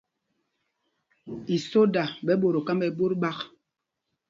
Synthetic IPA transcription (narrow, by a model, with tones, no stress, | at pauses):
i˨so˦da˨ɓɛ˨˦ɓo˨ɾo˨ka˦mbɛ˨bo˦ɾɓa˦k